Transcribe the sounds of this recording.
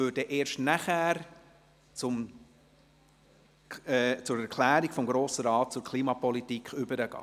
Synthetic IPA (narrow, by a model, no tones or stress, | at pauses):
øːɾdəʔeːɾʃtnæχæːɾ | t͡sʊm | t͡sʊɾæɾkʰlæːɾiɡfɔmɡɾoːsəɾɑːt̚t͡sʊɾkʰliːmɑpɔlitikʰχʏbəɾəɡ̥ɑ̰ː